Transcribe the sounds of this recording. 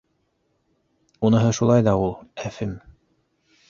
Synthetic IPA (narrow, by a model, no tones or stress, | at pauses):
unɤ̆ɦɤʃulˠɑjðɑulˠæfɘm